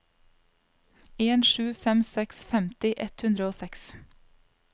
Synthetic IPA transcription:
eːnʃʉːfɛmsɛksfɛmt̪ɪʔɛt̪hʉnd̪ɾəoːsɛks

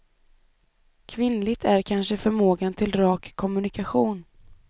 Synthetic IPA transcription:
kʰvɪnlɪɡ̚t̪ʰæɾkʰanʂəfœɾmoːɡant̪ʰɪlɾɑːkʰːɔmɵnɪkaɧuːn

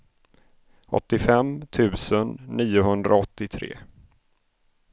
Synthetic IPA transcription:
ɔ̰t̪ːɪfɛmt̪ʰʉ̟ːsənːiːʊɦɵnd̪ɾʔaɔt̪ːɪt̪ʰɾḛː

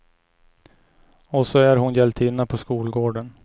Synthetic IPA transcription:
ɔsɔæɾɦʊnjɛlt̪ʰɪnːapʰɔskuːlɡoːɖən

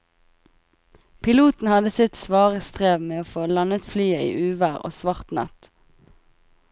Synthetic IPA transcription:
pʰɪluːt̪n̩hɑd̪əsɪt̪sʋɑːʁəst̪ʁeːʋmeːoːfoːlɑnət̪flyːəḭːʔʉːʋæːʁo̰ːsʋɑʁt̪nɑ̰t̪

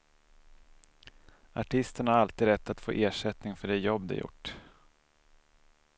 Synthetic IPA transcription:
aʈʰɪst̪əɳhaɾalt̪iːd̪ɾɛt̪ʰːat̪fo̰ːʔeːʂɛt̪nɪŋfœɖɛjɔbːd̪ɛ̰jʊ̰ʈː

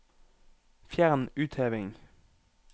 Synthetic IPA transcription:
fjæʁnʉːt̪ʰheːʋɪŋ

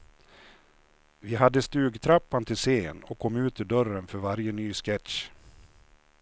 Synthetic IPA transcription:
vɪɦad̪ːəst̪ʉ̟ːɡt̪ʰɾapːant̪ʰɪlseːnɔkʰɔmːʉ̟ːt̪ɪɖœɾənfœɾvaɾjənyːskɛt̪

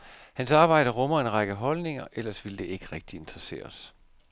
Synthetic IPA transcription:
hænsɑ̈ːb̥ɑ̈ɪ̰d̥ɐʁɔmɐe̝nʁɑ̈ɡ̥əɦɒ̽lne̝ŋɐʔel̰ɐsʋild̥e̝e̝ɡ̥əʁɛɡ̥̚d̥ie̝nd̥ʁɐse̝̰ːɐs

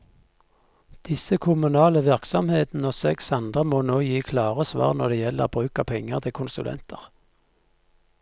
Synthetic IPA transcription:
d̪̥ɪsəkʰʊmʉnɑːləʋɪʁksɔmheːt̪n̩əoːsɛksɑnd̪ʁəmoːnoːjiːkʰlɑːʁəsʋɑ̰ːʁnɔd̪eːjɛlːə̰ʁbʁʉːkɑpʰɛŋəʁt̪ʰɪkʰʊnsʉ̰lʔɛ̰nt̪ʰəʁ

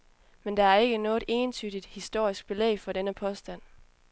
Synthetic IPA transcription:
mend̥ɑ̈æɐe̝ɡ̥ənɔ̽ːe̝ːnt͡sʰyːd̥id̥hisd̥o̝ɐ̰isɡ̥̚b̥e̝lḛːɪfɒ̽d̥enəpʰɒ̽sd̥æn̰

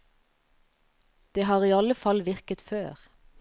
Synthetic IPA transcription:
d̪̥eːɦɑːʁiːɑləfɑlʋɪʁkət̪føːʁ

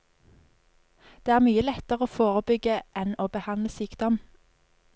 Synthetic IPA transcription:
d̪̥eːæːʁmyːəlɛt̪əʁəoːfoːʁəbʏɡəʔɛnoːbəhɑnləsyːkd̪ɔm

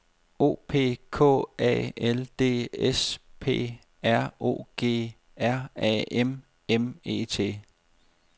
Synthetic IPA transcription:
o̝̰ːpʰe̝̰ːkʰɔ̰̽ːɛ̰ːeld̥e̝̰ːespʰe̝̰ː | æɐ̰o̝̰ːɡ̥e̝̰ː | æɐ̰ɛ̰ːem | eme̝̰ːt͡sʰe̝̰ː

